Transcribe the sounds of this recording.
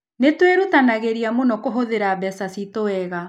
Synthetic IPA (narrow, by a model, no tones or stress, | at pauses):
netweɾutanaɣeɾiamonɔkoɦoðeɾabɛsasitoɛɣa